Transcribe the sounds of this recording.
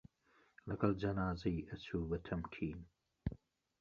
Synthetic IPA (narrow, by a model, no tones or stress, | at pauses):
lɐɡɐld͡ʒɐnaːzɐjʔɐtuːwɐt̪ʰɐmkʰiːn